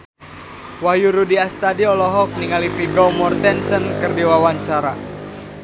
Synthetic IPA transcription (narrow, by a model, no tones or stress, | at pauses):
wajuɾudiast̪adiɔlɔɦɔk̚niŋalifiɡɔmɔrt̪ɛnsənkɨrdiwawaɲt͡ʃaɾa